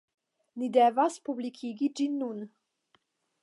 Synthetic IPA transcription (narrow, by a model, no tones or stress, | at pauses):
nid̪ɛvaspublikʰiɡid͡ʒinːun